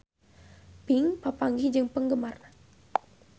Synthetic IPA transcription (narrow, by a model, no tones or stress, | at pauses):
piŋpapaŋɡihd͡ʒɨŋpəŋɡəmar